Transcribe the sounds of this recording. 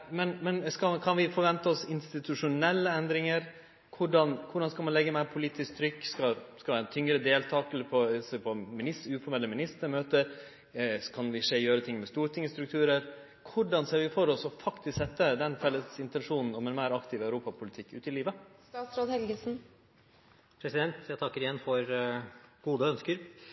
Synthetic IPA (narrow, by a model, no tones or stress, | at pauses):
mɛnmɛnskɑkʰɑnʋɪfɔɾʋɛnt̪əɔsɪnst̪ɪt̪ʉʂʊnɛlːəɛnd̪ɾɪŋəɾ | kʰʊɖɑnkʰʊɖɑnskɑlmɑnlɛɡːəmæɪɾpʰʊliːt̪ɪsk̚t̪ʰɾʏkːskɑskɑlʋæɾɛt̪ʰːʏŋɾəd̪eːlt̪ʰɑːkɛlːəɾpʰɔseːpʰɔmɪnɪsʉːfɔɾmɛlːəmɪnɪst̪əɾmøːt̪əɾ | kʰɑnʋɪʂeːjøːɾət̪ʰɪŋmɛst̪uːɾt̪ʰɪŋəst̪ɾʉk̚t̪ʰʉːɾəɾ | kʰʊɖɑnseːɾʋɪfoɾɔsɔfɑkt̪ɪsksɛt̪ːəd̪ɛnfɛlːəsɪnt̪ɛnʂuːnn̩ɔmɛnmæɪɾɑkt̪ʰɪʋæʉɾuːpɑpʰʊlɪt̪ʰɪkːʉ̰ːt̪ɪliːʋəst̪ɑːt̪sɾoːd̪hɛlɡəsn̩ | pʰɾɛsɪd̪ɛnt̪æt̪ʰɑkːəɾɪjɛnːfɔɾ | ɡ̥uːd̪əœnskəɾ